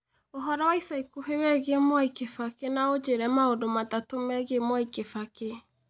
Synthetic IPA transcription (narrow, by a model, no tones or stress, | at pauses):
oɦɔɾawaisaikoɦewɛɣemwaikefakenaod͡ʒeɾɛmaodomatatomɛɣemwaikefake